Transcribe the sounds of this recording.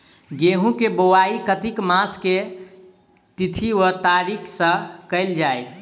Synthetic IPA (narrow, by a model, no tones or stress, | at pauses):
ɡeɦũkebowaikət̪ikmãske | t̪it̪ʰiwət̪aɾikʰsə̃kəɪld͡ʒaːj